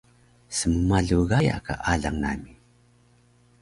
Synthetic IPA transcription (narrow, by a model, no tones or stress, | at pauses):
səməmaɮuɣaja̰ka̰ʔaɮaŋna̰mi